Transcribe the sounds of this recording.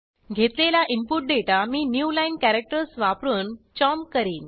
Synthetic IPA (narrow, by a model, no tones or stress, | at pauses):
ɡʱet̪lelaʔimpuʈ̚ɖeʈamiːnjuːlainkæɾek̚ʈəɾsʋapɾunt͡ɕɔmkəɾiːn